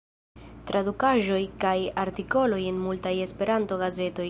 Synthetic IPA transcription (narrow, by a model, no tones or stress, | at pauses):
tɾadukaʒo̞jkajaɾtiko̞lo̞je̞nmultaje̞spe̞ɾanto̞ɡaze̞to̞j